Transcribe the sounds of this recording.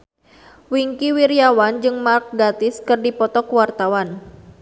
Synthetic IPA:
wiŋkiwiɾjawand͡ʒɨŋmark̚ɡat̪ɪskɨrdipɔt̪ɔkwart̪awan

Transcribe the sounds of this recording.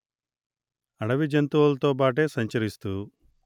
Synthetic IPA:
ɐɽɐʋid͡ʒɐnt̪uʋɐlt̪oːpaːʈ̬eːsɐɲt͡ʃɐɾist̪u

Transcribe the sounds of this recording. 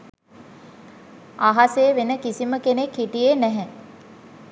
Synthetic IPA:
aɦaseːʋenəkisiməkenekːiʈijenæɦɛ

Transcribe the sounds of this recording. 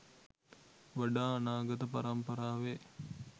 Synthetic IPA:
ʋɐɖaːnaːɡɐt̪əpaɾɐmpɐɾaːʋe

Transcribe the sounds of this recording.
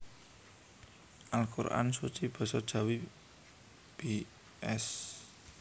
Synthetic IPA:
ʔalkuɾʔa̰nsut͡ʃib̥ɔ̤sɔd̥ʒ̥a̤wi | b̥i | ʔɛs

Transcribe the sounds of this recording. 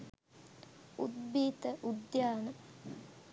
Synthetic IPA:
ṵd̪biːt̪ɐʔud̪jaːnɐm

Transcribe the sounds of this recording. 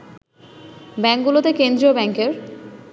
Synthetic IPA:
bɛŋkɡulot̪ekend̪ɾiobɛŋkeɾ

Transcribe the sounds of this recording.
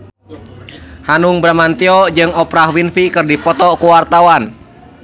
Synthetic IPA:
hanuŋbɾamant̪iɔd͡ʒɨŋɔpɾahwinfikɨrdipɔt̪ɔkuwart̪awan

